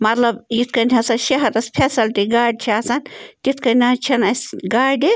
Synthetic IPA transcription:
mɐt̪lɐbjit̪̚ʰkɐnʲtʰʲɐsɐnʃɐɦɐɾɐspʰesɐlʈiɡaːɖ̚t͡ʃʰiasɐnt̪it̪ʰkɐnʲat͡ʃʰɐnɐsɡaːɖi

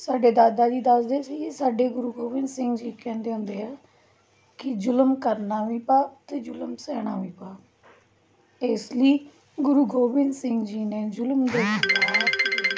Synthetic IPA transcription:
saːɖeːd̪aːd̪aːd͡ʒiːd̪əsd̪eːsiːsaːɖeːɡʊɾuːɡoːʋɪnsɪ̃ŋɡd͡ʒiːkɛ̃ːnd̪eːɦʊ̃nd̪eːɦaː | kɪd͡ʒʊləmkəɾnaːʋiːpaːt̪eːd͡ʒʊlmsɛːɽ̃aːʋiːpaː | eːsləiː | ɡʊɾuːɡoːbɪnsɪŋɡd͡ʒiːneːd͡ʒʊlmd̪eːʋiːpaaː

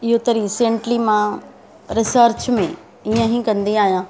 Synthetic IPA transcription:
ɪɦot̪ɐɾisẽːɳʈlimã | ɾɪsəɾt͡ɕmẽ | iə̃ɦĩkɐ̃nd̪iaːɦijãː

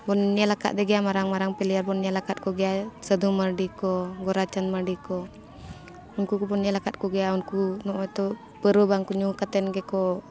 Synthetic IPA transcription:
pɔnːialaka̰ʔ̪̚d̪ɛɡɛamaɾaŋmaɾaŋpɛliarbɔnːialakat̪̚kɔɡɛasəd̪uməɖikɔɡɔɾat͡ʃanmaɖikɔ | unkukupɔnialakat̪̚kɔɡɛaunkunɔʔt̪ɔ | pəɾɔbaŋkuɲukat̪ɛnɡɛkɔ

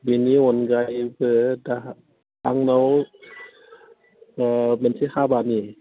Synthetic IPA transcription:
biniwonɡajbɯda | ʔaŋnaw | amensihʰaːbaːni

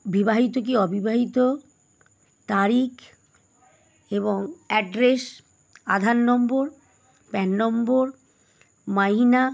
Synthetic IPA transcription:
bibaɦit̪ok̬iɔbibaɦit̪o | t̪aɾik | eboŋɛɖɾes | a̰d̪ʱanːɔmboɾ | pɛnːɔmboɾ | maɦina

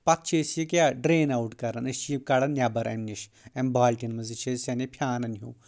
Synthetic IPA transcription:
pɐt̪̚t͡ʃʰisjikʲjaɖɾeːnawʈkɐɾɐnɨʃjikɐɽɐnːʲjabɐɾɐ̰mniʃ | embaːlʲʈinmɐzit͡ʃʰesenepʰjaːnɐnɦuː

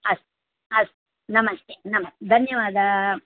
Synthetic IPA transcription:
ɐst | ɐst̪ | nɐmɐst̪ʰenɐmɐst̪d̪ʱɐnjɐʋaːd̪ʱɐ

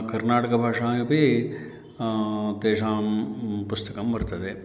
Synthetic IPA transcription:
kɐɾnaːʈɐkɐbʱaːʂaːjɐpi | t̪eːʂaːmpust̪ɐkɐmʋɐɾt̪ɐd̪e

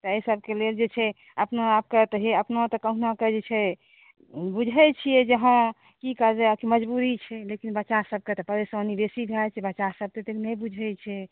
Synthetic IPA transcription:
t̪ɔesəb̚ʱkeleld͡ʒet͡ʃʰɛ | əpnaab̚kət̪ɦiəpnat̪ɔkəɦunakəd͡ʒet͡ʃʰɛ | bud͡ʒʱɛt͡ʃʰijɛd͡ʒəɦã | kikəd͡ʒɛakiməd͡ʒbuɾit͡ʃʰɛlekinbətːʃaɦsəb̚ʱket̪ɔpəɾeswanibesibʱeat͡ʃʰɛbətːʃaɦsəb̚t̪et̪eknɛjbud͡ʒʱɛt͡ʃʰɛ

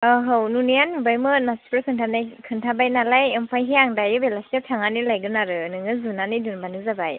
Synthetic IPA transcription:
ɯɦɯwnunijanubajmɯnaspʰɯɾkʰɯntʰanajkʰɯntʰabajnalajɯmpʰajɦeaŋdajɯbelasiawtʰaŋanilajɡɯnaɾɯnɯŋɯzunanidunbanɯzabaj

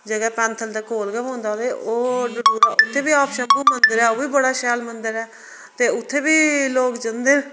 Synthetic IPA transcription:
d͡ʒəɡɛːpɛ̃ːnt̪ʰəld̪aːkoːlɡɛːɦõːnd̪aːleːoːɖʊɖuːɾaːʊt̪ʰːeːbiːaːpʰʃə̃nbuːmənd̪əɾɛːoːʋiːbəɽaːʃɛːlmənd̪əɾɛː | t̪eːʊt̪ʰːeːbiːloːkd͡ʒənd̪eː

